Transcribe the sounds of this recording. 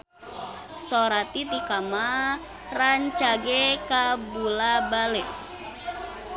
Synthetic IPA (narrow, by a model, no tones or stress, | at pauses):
sɔɾat̪it̪ikama | raɲt͡ʃaɡekabulabale